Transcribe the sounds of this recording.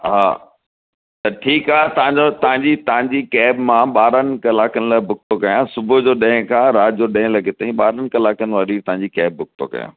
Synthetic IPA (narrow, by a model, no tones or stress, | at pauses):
ɦa̰ː | t̪ɐʈʰiːkaːɦet̪ɐʋãɲd͡ʑot̪ɐɦãɲd͡ʑit̪ɐʋ̤ãɲd͡ʑikɛːbmãɓaːɾənɪ̆kɐlaːkənɪ̆laːɪbʱʊɡ̚t̪okɐjãsʊbʱʊd͡ʑoːɗɐ̃ɦɪ̃kʰãɾaːd͡ʑoɗɐ̃ɦɪ̃lɐɡʱɪt̪ɐĩɓaːɾənɪ̆kɐlaːkənɪ̆ʋaːɾit̪ɐʋɦãɲd͡ʑikɛːb̚ːʱʊk̚t̪o̰kɐ̰jã̰ː